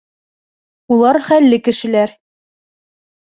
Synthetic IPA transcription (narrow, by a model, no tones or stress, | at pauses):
ulˠɑɾχælːɘkɘ̆ʃɘ̆læɾ